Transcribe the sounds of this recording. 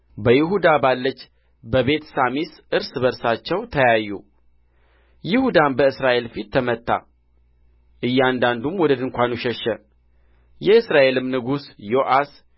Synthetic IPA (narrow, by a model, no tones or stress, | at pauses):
bəjɪɦud̪abalːət͡ʃː | bəβe̞t̪samisʔɨɾsɨβəɾsat͡ʃːɛwt̪ʰəjajːṵ | jɪhud̪anbəɨsɾaʔe̞lfit̪ʰːəmət̪ːa̰ | ʔɨjːand̪and̪umwɔd̪əd̪ɨŋkʷanuʃɛʃːɛ | jɛɨsɾaʔe̞lɨmnɨɡusjoʔas